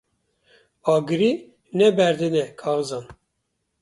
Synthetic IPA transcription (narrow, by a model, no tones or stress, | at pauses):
ɑːɡɨɾi | nɛbɛɾd̪ɨnɛkʰɑːvzɑːn